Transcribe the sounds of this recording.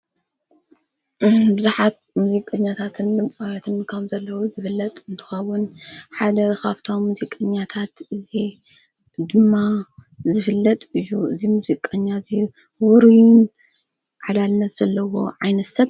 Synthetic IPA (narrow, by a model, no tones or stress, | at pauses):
bɨzuħat̪̚muzikʼɐɲːat̪ʰat̪ʰɨnd̪ɨmt͡sʼawat̪ʰɨnkʰɐmzɐlːɐwuzɨfɨlːɐt̪ʼɨnt̪ʰɨ̥xɐwːʊnħad̪ɐkʰaβt̪ʰomːuzikʼːɐɲːat̪ʰat̪ʔɨzi | d̪ɨmːa | zɨfɨlːɐt̪ʼɨjːuʔɨzimuzikʼɐɲːazi | wuɾijun | ʕalalnɐt̪z̥ɐlːɐwo̞̰ʕajnɐsɐβ